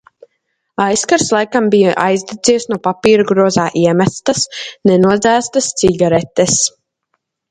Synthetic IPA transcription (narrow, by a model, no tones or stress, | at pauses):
ajskaɾslˠajkambija̰ʔajzd̪ɛziɛsnuɔpapiːɾuɡɾɔzaːʔiɛmæst̪asnɛnuɔd̪zæːst̪ast̪siɡaɾɛt̪ɛs